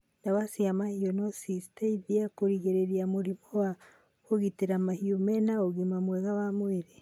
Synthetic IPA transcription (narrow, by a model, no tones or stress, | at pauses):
ndawasiamahionosisteiðiakoɾiɣeɾeɾiamoɾimɔwa | oɣiteɾamahiomɛnaoɣimamwɛɣawamweɾe